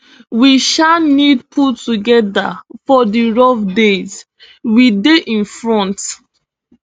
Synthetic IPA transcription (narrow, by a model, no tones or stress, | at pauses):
wiʃanid̚pʰutuɡɛda̰fɔdiɹɔfdez | wideʔĩnfɹɔ̃nt